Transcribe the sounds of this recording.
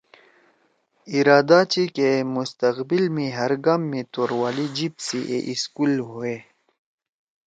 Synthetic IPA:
iɾaːd̪at͡ɕikemust̪əqbilmĩɦəɾɡamːẽt̪oːɾwaːlid͡ʑibsiʔḛʔiskulɦue

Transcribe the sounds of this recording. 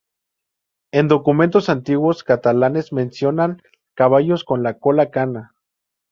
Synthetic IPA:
end̪okume̞nt̪osant̪iɣwoskat̪alanesmensjonaŋ | kaβajoskonlakolakana

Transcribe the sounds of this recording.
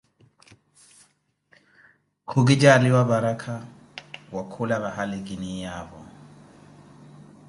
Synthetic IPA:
kʰuɡid͡ʒaliwaβaɾakʰa | wakʰulaβahaliɡinijaβɔ̰

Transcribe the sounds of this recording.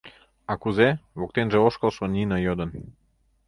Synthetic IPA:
akuzeβok̚t̪enʒeoʃkolˠʃoninəjod̪ən

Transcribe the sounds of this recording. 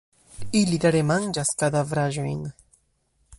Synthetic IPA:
ilid̪aɾemand͡ʒaskad̪avɾaʒujn

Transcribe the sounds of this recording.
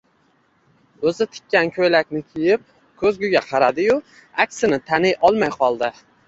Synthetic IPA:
ɵzɪt̪ʰɪ̥kʲːankʲʰɵjlakʲnɪkʲʰijɪp̚ | kʰɵzɡʲʊɡʲaqʰɑɾad̪ɪjʊ | akʲsɪnɪt̪ʰanɪjʔɒlˠmajqʰɒlˠd̪a

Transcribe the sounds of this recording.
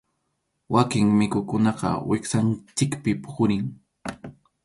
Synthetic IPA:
wakɪŋmɪkʊkʊnɑqɑ̰wɪksant͡ʃɪkpɪpxʊɾɪŋ

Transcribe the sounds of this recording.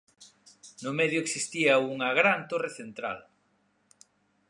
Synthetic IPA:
nʊmɛðjʊeksist̪iɐuŋɐɣɾant̪oreθent̪ɾa̰l

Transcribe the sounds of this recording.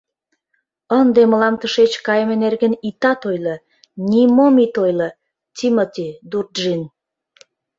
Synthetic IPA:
ənd̪eməlɑmt̪əʃet͡ɕkɑjəmenerɣə̆nit̪ɑt̪ojlə̆ | nʲimomit̪ojlə | t̪ʲimot̪ʲid̪urd̪ʒin

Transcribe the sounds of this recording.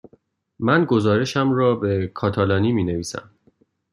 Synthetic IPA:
mænɡo̞zɒːɾe̞ʃæmɾɒːbe̞kʰɒːt̪ʰɒːlɒːniːmiːne̞viːsæ̰m

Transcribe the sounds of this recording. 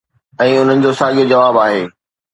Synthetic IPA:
ɛ̃ːʊn̤ənɪ̆d͡ʑoːsaːɠiod͡ʑɐʋaːbaːɦeː

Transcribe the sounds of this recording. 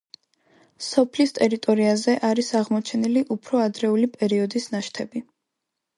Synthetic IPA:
sɔpʰlist̪ʼɛɾit̪ʼɔɾiazɛʔaɾisaʁmɔt͡ʃʰɛniliʔupʰɾɔad̪ɾɛulipʼɛɾiɔd̪isnaʃt̪ʰɛbi

